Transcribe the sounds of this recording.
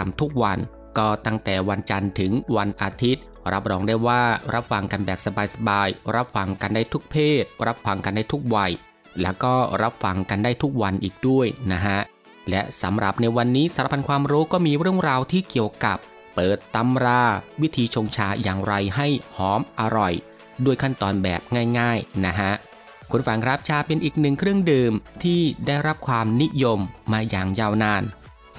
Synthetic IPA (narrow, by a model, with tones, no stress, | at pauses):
mt̪ʰu˦˥k̚wa˧n | kɔː˥˩t̪a˥˩ŋt̪ɛː˨˩wa˧nt͡ɕa˧nt̪ʰɯ˩˦ŋwa˧nʔaː˧t̪ʰi˦˥t̪̚ | ɾa˦˥p̚ɾɔː˧ŋdaː˥˩jwaː˥˩ɾa˦˥p̚fa˧ŋka˧nbɛː˨˩k̚sa˧baː˧jsa˧baː˧jɾa˦˥p̚fa˧ŋka˧ndaː˥˩jt̪ʰu˦˥k̚pʰeː˥˩t̪̚ɾa˦˥p̚fa˧ŋka˧ndaː˥˩jt̪ʰu˦˥k̚wa˧j | lɛ̰˦˥wkɔː˥˩ɾa˦˥p̚fa˧ŋka˧ndaː˥˩jt̪ʰu˦˥k̚wa˧nʔiː˨˩k̚du˥˩əjna˦˥kʰa˦˥ʔ | lɛ˦˥ʔsa˩˦mɾa˨˩p̚na˧jwa˧nːiː˦˥sa˧˨˦ɾa˦˧˩pʰa˧nkʰwaː˧mɾuː˦˥kɔː˥˩miː˧ɾɯ˥˩əŋɾaː˧wt̪ʰiː˥˩ki˨˩əwka˨˩pː | ɤː˨˩t̪ːa˧mɾaː˧wi˦˥t̪ʰiː˧t͡ɕʰoː˧ŋt͡ɕʰaː˧jaː˨˩ŋɾa˧jɦa˥˩jhɔː˩˦mʔa˧ɾɔ˨˩j | du˥˩əjkʰa˥˩nt̪ɔː˧nbɛ̰ː˨˩p̚ŋaː˥˩jŋaː˥˩jna˦˥ɦʰa˦˥ʔ | kʰu˧nfa˧ŋkʰɾa˦˥p̚t͡ɕʰaː˧pe˧nʔiː˨˩k̚nɯ˨˩ŋkʰɾɯ˥˩əŋdɯː˧mt̪ʰiː˥˩daː˥˩jɾa˦˥p̚kʰwaː˧mni˦˥jo˧mːaː˧jaː˨˩ŋjaː˥˩wnaː˧˥˩n